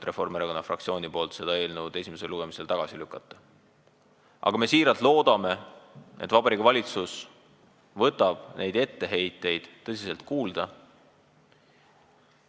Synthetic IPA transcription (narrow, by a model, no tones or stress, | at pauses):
re̞fo̞rmeɾeko̞nːɑfrɑkt̪sio̞ːnipo̞ːlt̪se̞d̥̪ɑe̞ːlnəwd̪̥e̞sʲime̞se̞lːuɡ̥e̞mise̞lt̪ɑɡ̥ɑsilykːˑɑt̪ˑːɑ̥ | ʔɑ̰ɡ̥ɑme̞siːɾɑlt̪lo̞ːd̪̥ɑme̞ʔe̞̰t̪ːˑvɑbɑɾiːkːvɑlʲit̪sus | vɤt̪ˑːɑb̥nʔe̞jd̪e̞t̪ːe̞ɦe̞jt̪ːˑe̞jd̪̥t̪ːɤsise̞lt̪̚kuːld̪̥ɑ